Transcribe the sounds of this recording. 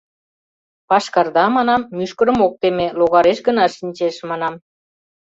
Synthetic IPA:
pɑʃkɑrd̪ɑmɑnɑmːyʃkəɾə̆mok̚t̪emeloɣɑɾeʃɡə̆nɑʃinʲt͡ɕeʃmɑnɑm

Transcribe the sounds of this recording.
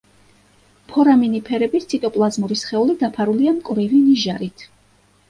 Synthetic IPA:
pʰɔɾaminipʰɛɾɛbist̪sʰit̪ʼɔpʼlˠazmuɾisχɛulid̪apʰaɾuliamkʼvɾiviniʒaɾit̪ʰ

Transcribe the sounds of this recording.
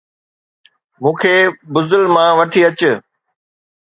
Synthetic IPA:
mũːkʰeːbʊzəlmãʋɐʈʰiːɐt͡ɕʊ

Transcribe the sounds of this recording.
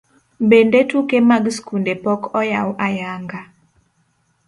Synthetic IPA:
bendetukemaɡskundepɔkɔjawʔajaŋɡa

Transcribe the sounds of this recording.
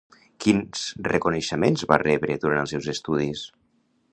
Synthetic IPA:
kinz̥rəkunəʃəmenzβa̰rɛβɾəðuɾanəlˠsɛwzəst̪uðis

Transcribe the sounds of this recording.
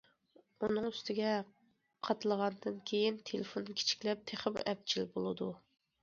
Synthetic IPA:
unɨŋyst̪ʰɪɡʲɛ | qʰɑt̪ɨlˠəʁɑnd̪ɨnkʲʰejint̪ʰelɪfonkʲʰe̥t͡ʃʰi̥kʲlɛp̚t̪ʰeχɪmɛp̚t͡ʃʰilbolˠɨd̪u

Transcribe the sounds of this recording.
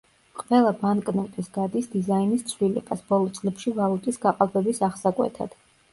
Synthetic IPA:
qʼvɛlˠabankʼnɛt̪ʼisɡad̪isd̪izainist̪sʰvlilɛ̰basb̥ɔlˠɔt̪sʼlɛpʃivalˠut̪ʼisɡaqʼalˠbɛbisaʁsakʼwɛ̰t̪ʰa̰d̪̥

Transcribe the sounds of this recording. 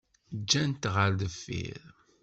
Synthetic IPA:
d͡ʒːænt̪ʁəɾðəfːḭɾ

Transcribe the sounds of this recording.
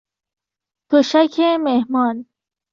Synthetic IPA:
t̪ʰoɕɐkʰemehmɑːn

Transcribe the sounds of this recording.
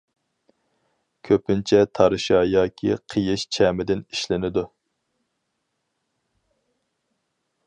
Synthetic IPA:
kʲʰøpɪnt͡ʃʰɛt̪ʰɑɾɨʃɑjɑːkʲʰḭqʰəjɪʃt͡ʃʰɛːmɪd̪ɪniʃlɪnɪd̪u

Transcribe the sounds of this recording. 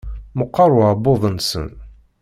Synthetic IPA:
məqːɑɾˤʊʕbːoðˤənsə̰n

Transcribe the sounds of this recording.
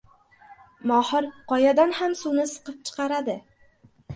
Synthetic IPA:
mɒhɪɾqʰɒjad̪anhamsunɪsɨ̥qɨp̚t͡ʃʰɨ̥qɑɾad̪ɪ

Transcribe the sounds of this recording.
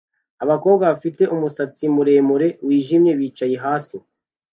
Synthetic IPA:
aβako̞ːbɡaβafite̞ʔumusat͡simuɾe̞ːmuɾe̞wiːʒimɲe̞βiːt͡ʃajeɦaːsi

